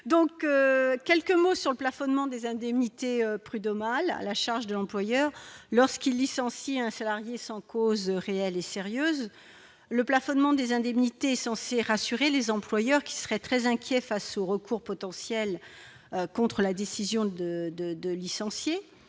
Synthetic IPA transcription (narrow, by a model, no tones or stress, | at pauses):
d̪ɔ̃køkʲɛlkəmosyʁləplafɔnmɑ̃d̪ezɛ̃d̪ɛmnit̪eøpχyd̪ɔmala̰laʃaʁʒd̪əlɑ̃plwajœʁlɔʁskilːisɑ̃siɛ̃salaʁjesɑ̃kozʁeɛleseʁjøːz | ləplafɔnmɑ̃d̪ezɛ̃d̪ɛmnit̪eɛsɑ̃seʁasyʁelezɑ̃plwajœʁkʲi̥sə̥ʁɛt̪χɛzɛ̃kʲjɛfasoʁəkʰuʁpɔt̪ɑ̃sjɛl | økɔ̃t̪χəlad̪esizjɔ̃d̪əd̪əd̪əlisɑ̃sje